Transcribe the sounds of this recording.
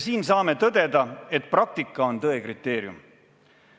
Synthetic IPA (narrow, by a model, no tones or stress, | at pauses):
siːnsɑːme̞t̪ɤd̪e̞d̪ɑe̞t̪̚ːˑprɑk̚t̪ikːˑɑo̞nt̪ɤ̞e̞krit̪ːˑe̞ːɾjṵm